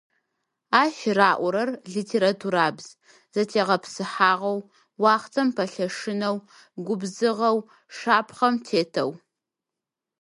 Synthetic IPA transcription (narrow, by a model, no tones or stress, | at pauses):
aːʃraːʔʷʊɾɐrɮitʰeɾatʰuɾaːbz̥ | z̥ɐtʰeːʁɐpʰsɨħaːʁɐw | waːχt͡sʰʼɐmpʰɐɬɐʂɨnɐw | ɡʷʊbzɨʁɐw | ʂaːpʰχɐmtʰeːtʰɐ̰w